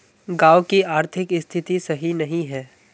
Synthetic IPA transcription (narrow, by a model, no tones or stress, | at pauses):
ɡaːʋkiaːɾt̪ʰɪkɪst̪ʰɪt̪isɐɦinɐɦĩɦɛː